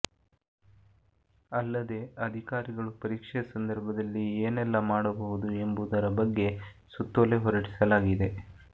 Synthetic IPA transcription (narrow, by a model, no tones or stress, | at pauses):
ɐlːɐd̪e̞ɐd̪ʱikaːɾiɡɐɭupɐɾiːkʂɛɐsɐnd̪ɐɾbʱɐd̪ɐlːieːnɛlːɐmaːɽɐbɐɦud̪ue̞mbud̪ɐɾɐbɐɡːe̞ | sut̪ːɐle̞ɦɔɾɐʈi̥sɐlaːɡid̪e̞